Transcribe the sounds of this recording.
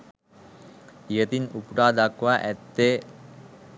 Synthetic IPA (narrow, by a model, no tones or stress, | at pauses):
jət̪inupʈaːd̪akʋaʔɛt̪ːe